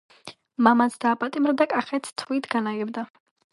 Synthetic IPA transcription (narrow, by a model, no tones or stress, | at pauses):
mamasʰd̪̥aːpʼat̪ʼimɾad̪akʼaχɛt̪st̪ʰit̪ʰɡanaɡɛbd̪a